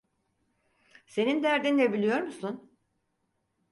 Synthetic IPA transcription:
se̞nind̪æɾd̪inːebilʲijo̞ɾmusun

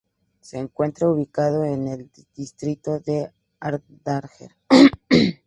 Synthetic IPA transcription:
se̞ːŋkwe̞nt̪ɾauβikaðo̞enel | d̪̥ist̪ɾit̪o̞ðe̞ | aɾd̪aɾxḛɾ

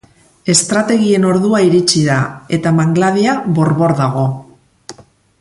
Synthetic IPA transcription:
e̞st̪ɾat̪e̞ɣie̞no̞ɾðuaiɾit͡ʃiðae̞t̪amaŋɡlaðiaβo̞ɾβo̞ɾðaɣ̞o̞

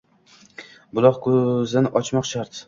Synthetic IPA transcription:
bʊlˠɒqkʰɵzɪnɪʔɒt͡ʃmɒqʃaɾt̪

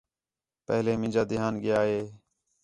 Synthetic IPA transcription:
pəɦleːmɪ̃nd͡ʒaːd̪ɪɦaːnɡɪjaːɦeː

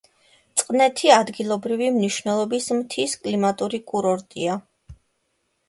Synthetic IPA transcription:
t̪sʼqʼnɛt̪ʰiad̪ɡilˠɔbɾivimniʃvnɛlˠɔbismt̪ʰiskʼlimat̪ʼuɾikʼuɾɔɾt̪ʼia

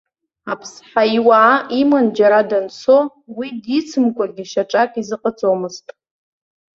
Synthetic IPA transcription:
apʰsħaiwaːimand͡ʒaɾadant͡sʰo | widit͡sʰɨmkʷʼaɡʲiʃaʈ͡ʂʼakʼizɨqʼat͡sʼomɨztʼ

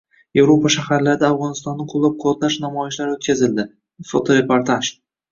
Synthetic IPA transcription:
je̞vɾopaʃahaɾlaɾɪd̪aaːfʁɒnɪst̪ɒnːɪqʰʊlˠːap̚qʰʊt̪laʃnamɒjɪʃlaɾot̪̚kʲazɪld̪ɪ | fot̪ʰoɾe̞poɾt̪ʰaʃ

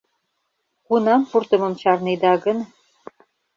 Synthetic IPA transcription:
kunɑmpurt̪ɤ̆mɤ̆mt͡ɕɑrned̪ɑɣə̆n

